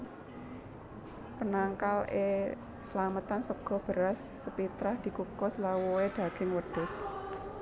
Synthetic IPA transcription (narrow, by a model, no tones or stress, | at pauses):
pənaŋkalḛ | səlamət̪ansəɡ̥ɔ̤b̥ə̤ɾasːəpit̪ɾahd̪̥i̤kukɔslawuweɖ̪̥a̤ɡ̥ɪŋwəɖ̪̥ʊ̤s